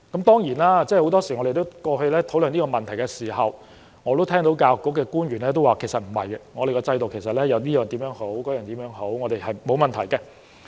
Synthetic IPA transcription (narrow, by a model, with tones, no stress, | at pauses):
kɐ˨˥mt̪ɔː˥ŋjiː˨˩naː˥t͡sɛː˥ho˨˥wt̪ɔː˥siː˨˩ŋɔ˨˧ɾe˨˩t̪o˥wkɔː˧hɵ˧lɛː˥t̪ʰo˨˥wlɵ˨˧niː˥kɔː˧mɐ˨nt̪ʰɐ˨˩jkɛ˧siː˨˩hɐ˨w | ŋɔː˨˧t̪o˥wt̪ʰɛː˥ŋt̪o˨˥wkaː˧wkːɔː˥kɛː˧kuː˥nɥyː˨˩nlɛː˥t̪o˥waː˨˩kʰe˨˩sɐ˨t̚m̩˨˩hɐ̰˨jŋɔː˨˧ɾe˨˩kɔː˧t͡sɐ˧jt̪o˨wkʰe˨˩sɐ˨t̚lɛː˥jɐ˨˧wniː˥jœː˨ŋt̪iː˨˥mjœː˨˧˥ŋho˨˥wkɔː˨˥jœː˨˩nt̪iː˨˥mjœː˨˥ŋɦo˨˥wŋɔː˨˧t̪e˨jhɐ˨jmo˨˧wmɐ˨nt̪ʰɐ˨˩jkɛ˧